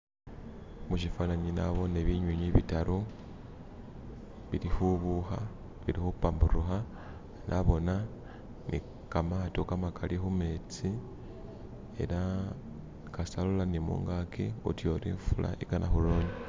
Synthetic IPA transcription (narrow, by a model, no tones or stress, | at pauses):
muʃifanaɲinaβo̞neβiɲwuɲiβitalo | βilixuβuxa | βiɾixupamburuxa | nʔaβo̞na | nʔi | kamatokamakalʔixume̞t͡si | e̞̰la | kasalulanimṵːŋɡakḭṵtjo̞ɾḭːɱfulʔa̰ʔikanʔaxulo̞ːɲi